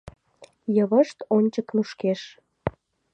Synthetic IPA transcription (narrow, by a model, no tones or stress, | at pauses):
jəβəʃt̪onʲt͡ɕəknuʃkeʃ